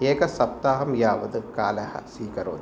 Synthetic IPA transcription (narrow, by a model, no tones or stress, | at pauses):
eːkɐsɐp̚t̪aːɦɐmjaːʋɐd̪ɨkaːlɐhɐ̰siːkɐɾo̰ːd̪